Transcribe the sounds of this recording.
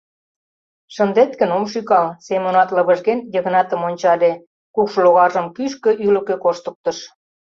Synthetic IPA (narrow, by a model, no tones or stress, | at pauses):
ʃənd̪et̪kə̆nomʃykɑlsemonɑt̪lɤ̆βə̆ʒɣenjə̆ɣənɑt̪ə̆monʲt͡ɕɑle | kukʃoloɣɑʒə̆mkyʃ̬kø̆ʔylə̆kĕkoʃt̪ə̆k̚t̪ə̆ʃ